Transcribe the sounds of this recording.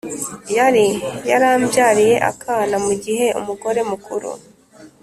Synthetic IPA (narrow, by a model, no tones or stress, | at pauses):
jaɾijaɾaːmbjaːɾije̞ʔa̰kʰaːnamuɟiɦe̞ʔṵmuɡo̞ɾe̞mukʰuɾṵ